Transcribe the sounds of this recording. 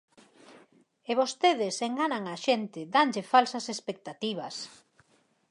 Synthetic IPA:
eβost̪eðɪseŋɡanaŋaʃent̪ɪd̪aŋʎɪfalsɐsespek̚t̪at̪iβ̞ɐs

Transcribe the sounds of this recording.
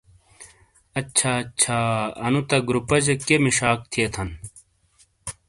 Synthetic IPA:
ɐt͡ɕɕʰat͡ɕʰaːɐ̰nut̪ɐɡɾupɐd͡ʑekemiʂaːk̚t̪ʰiet̪ʰɐn

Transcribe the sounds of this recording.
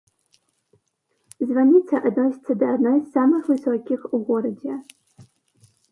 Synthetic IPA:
zvanʲit͡sʰɐʔad̪nojst͡sʰɨd̪aːdnajsamɨxvɨsɔkʲixuɡʷɔɾɐde

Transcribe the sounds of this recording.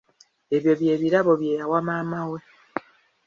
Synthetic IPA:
e̞βjo̞βje̞ːβiɾaβo̞βje̞ːjawamaːmawe

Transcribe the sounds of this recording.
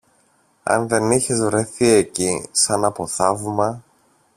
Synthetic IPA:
ɐ̰nðe̞niçezvɾe̞θie̞cisɐnɐpo̞θɐvmɐ

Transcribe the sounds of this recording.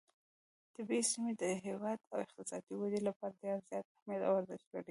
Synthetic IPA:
t̪ɪbesimed̪əɦewɑd̪awɪxt̪ɪsɑd̪iwad̪elapɑɾad̪ezjɑt̪̚ahmjɑd̪a̰waɾzɪʃt̪laɽi

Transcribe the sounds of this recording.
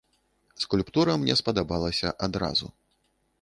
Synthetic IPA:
skulʲpt̪uɾɐmnʲɛspɐd̪abalˠɐsʲɐʔad̪ɾa̰zṵ

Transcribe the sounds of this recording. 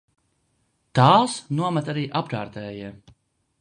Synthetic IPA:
t̪aːsnuɔmɛt̪aɾiːʔapɾa̰ːɾt̪ɛːji

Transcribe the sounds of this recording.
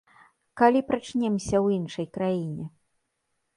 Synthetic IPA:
kalʲipɾat͡ʂnʲɛmsʲɐwinʂɐjkɾajinʲɛ

